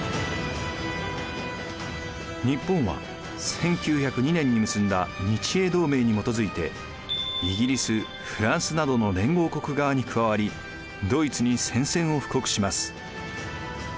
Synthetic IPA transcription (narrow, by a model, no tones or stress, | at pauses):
ɲ̟ipːõ̞ɰ̃βa̰ | sẽ̞ŋkʲɨːçakɯ̟ɲ̟inẽ̞ɲ̟ːimɯ̟sɨ̃nd̪aɲ̟it͡ɕie̞ːd̪o̞ːme̞ːɲ̟imo̞t̪o̞zɨit̪e̞ | iɡʲiɾʲisɨ | ɸɯ̟ɾãɰ̃sɨnad̪o̞no̞d̪ẽ̞ŋɡo̞ːko̞kɯ̟ɡaβaɲ̟ikɯ̟βaβaɾʲi | d̪o̞it͡sɨɲ̟isẽ̞ɰ̃sẽ̞ɰ̃o̞ɸɯ̟̥ko̞kɯ̟̥ɕimasɨ̥